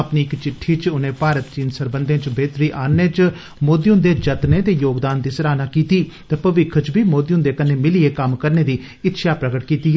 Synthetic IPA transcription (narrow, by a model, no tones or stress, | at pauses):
əpniːɪkt͡ʃɪʈʰːiːt͡ʃʊnẽːpaːɾət̪̚t͡ʃiːnsəɾbənd̪ẽːt͡ʃbeːt̪ɾiːʔaːneːt͡ʃ | moːd̪ijʊ̃nd̪eːd͡ʒət̪neːt̪eːjoːɡd̪aːnd̪iːsəɾaːnaːkiːt̪iːt̪eːpəʋɪkʰət͡ʃbiːmoːd̪iʊ̃nd̪eːkəneːmɪlieːkəmkəɾneːd̪iː | ɪtːʃʰaːpɾəɡəʈkiːt̪iːɦɛː